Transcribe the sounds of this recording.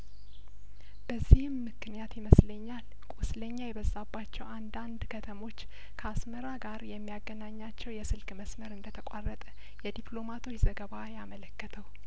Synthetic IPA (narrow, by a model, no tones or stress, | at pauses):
b̥əzːihɨmːɨknijat̪jiməsləɲːal | kʼusləɲːajɛβəzːabːat͡ʃːɛwand̪and̪kʰət̪ʰəmo̞t͡ʃː | kʰəasməɾaɡaɾjɛmːijaɡːənaɲːat͡ʃːɛwjɛsɨlkʼməsməɾɨnd̪ət̪ʰəkʼarːət̪ʼə | jɛd̪iplo̞mat̪ʰo̞t͡ʃːzəɡəβajamələkːət̪ʰəw